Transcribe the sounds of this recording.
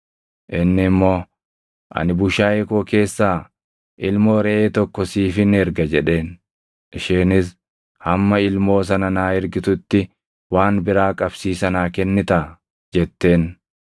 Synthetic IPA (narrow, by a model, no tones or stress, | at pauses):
ʔɪnːɪmːo̞ː | ʔɐ̰nɪbʊʃaːjeko̞ːke̞ːsːaː | ʔɪlmo̞ːɾɛʔeːt̪ɔkːɔsiːfɪnɛɾɡɐd͡ʒɛᶑe̞ːn | ʔɪʃeːnɪs | hɐmːɐɪlmo̞ːs̬ɐnɐnaːɪɾɡɪt̪ʊt̪ːɪ | waːnbɪɾaːkʼɐbsiːsɐnaːkɛnːɪt̪ɐ | d͡ʒɛt̪ːe̞ːn